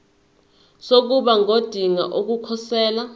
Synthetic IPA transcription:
sok̬uɓaŋod̥ʱiŋa̰ʔok̬ukʰɔsɛːla

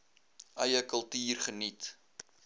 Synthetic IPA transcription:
ʔɐjəkəlˠtiːrχənit

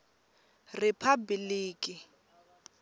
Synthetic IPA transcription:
rɪpʰabliːkʼɪ

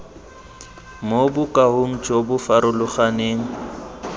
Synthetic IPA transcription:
mobʊkʼahʊŋ̩t͡ʃʼobʊfaɾʊlʊχaneːŋ̩

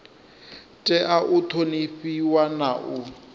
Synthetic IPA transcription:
tʼɛʔaʔʊt̪ʰoniɸiwanaʔʊ

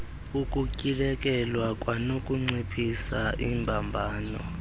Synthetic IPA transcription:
ukʼucʼilɛkʼɛlwakʼwanokʼuŋ͡ǀepʰʼisaʔiːmbʱambʱaːnɔ̰

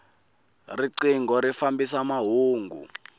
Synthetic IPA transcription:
riǀiŋɡɔɾifambisamaɦuːŋɡṵ

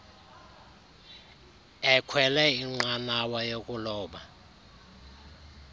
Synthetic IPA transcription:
ɛkʰwɛlɛiŋ͡ǃanawajokʼulɔːɓa

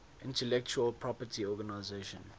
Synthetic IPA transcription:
ʔɪ̃ntɛlɛk̚t͡ʃuəlpʰɹɔpətiɔɡanaɪzeʃə̃n

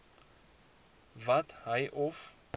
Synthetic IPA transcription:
vat̪hajʔɔf

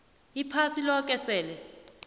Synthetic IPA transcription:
ipʰasilɔkʼɛsɛːlɛ

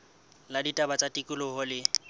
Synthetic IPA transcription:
laditʼabat͡sʼatʼikʼʊlʊɦʊlɪ

